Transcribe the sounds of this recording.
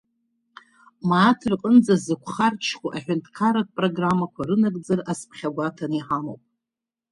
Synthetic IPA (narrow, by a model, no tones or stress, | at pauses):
maːtʰrqʼənd͡zazɨkʷʰχart͡ʃʰkʷuʔaħʷᶣantʰʼkʰaɾakpʼroɡramːakʷʰaɾɨnakʼd͡zaraspʰχʲaɡʷatʰaniħamowpʼ